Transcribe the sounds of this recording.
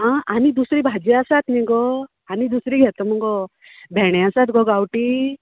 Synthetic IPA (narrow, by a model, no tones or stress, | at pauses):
ɦãanid̪usɾibʱad͡ʒeasat̪niɡɔ | anid̪usɾiɡʱɛt̪ɔmuɡɔ | bʱɛɽ̃ɛasat̪ɡɔɡawʈi